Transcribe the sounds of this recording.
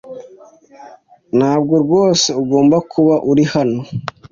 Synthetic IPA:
nhaːb̚ɡo̞ɾɡwoːse̞uɡo̞ːmbakʰuβaʔuɾihano̞

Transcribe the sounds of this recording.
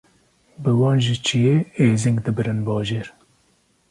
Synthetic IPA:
bɨwɑːnʒit͡ʃʰijeːeːzɪŋɡd̪ɨbɨɾɨnbɑːʒeːɾ

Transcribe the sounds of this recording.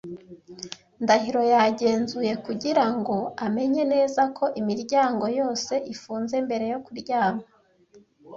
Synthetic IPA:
ndahiɾo̞jaɟe̞ːnzuje̞kuɟiɾaŋɡo̞ame̞ɲe̞ne̞ːzakʰo̞ʔimiɾɟaːŋɡo̞jo̞ːse̞ʔifuːnze̞mbe̞ɾe̞jo̞kuɾɟaːma

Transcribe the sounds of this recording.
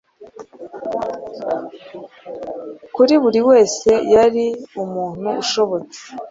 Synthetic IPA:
kuɾiβuɾiwe̞ːse̞jaɾiumuːn̥huuʃo̞βo̞t͡se̥

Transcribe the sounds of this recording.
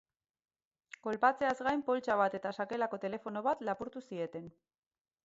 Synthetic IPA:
ko̞lpat͡se̞azɣajmpo̞lt͡ʃaβ̞at̪e̞t̪asake̞lako̞t̪e̞le̞fo̞no̞βat̪lapuɾt̪usie̞t̪e̞n

